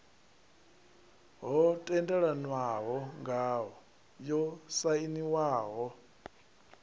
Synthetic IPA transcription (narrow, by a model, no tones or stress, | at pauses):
ɦɔtʼɛndɛɺanwaɦɔŋɡaɦɔ | jɔsainiwaːɦɔ